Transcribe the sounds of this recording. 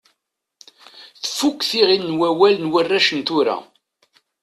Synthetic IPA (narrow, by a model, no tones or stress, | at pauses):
θfukʷːθiʁinːwæwælnwərːæʃənt̪ʊɾa̰